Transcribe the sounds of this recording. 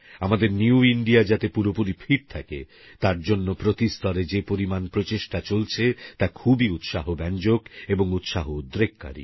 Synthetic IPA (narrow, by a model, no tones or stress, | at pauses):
amad̪eɾniuiɳɖiad͡ʑat̪epuɾopuɾifʰiɾt̪ʰakḛ | t̪aɾd͡ʑonːopɾot̪ist̪ɔɾed͡ʑepoɾimanpɾot͡ɕeʃʈat͡ɕolt͡ɕʰet̪akʰubiut̪ʃaɦobɛnd͡ʑokeboŋut̪ʃaɦoud̪ɾekːa̰ɾḭ